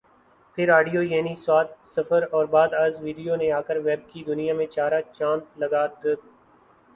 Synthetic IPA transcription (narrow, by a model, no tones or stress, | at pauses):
pʰɪɾaːɖijojɛːniswaːt̪̚sɐfəɾɔːɾbaːd̪aːzʋiːɖijonẽaːkəɾʋɛːb̚kid̪ʊnijãmẽt͡ʃaːɾat͡ʃãːnt̪lɐɡaːd̪eːd̪ː